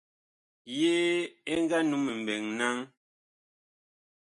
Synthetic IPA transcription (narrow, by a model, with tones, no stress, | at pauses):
jeː˦e˦ŋ˦ɡa˦nu˨˦me˨m̩˨bɛ˨ŋna˦ŋ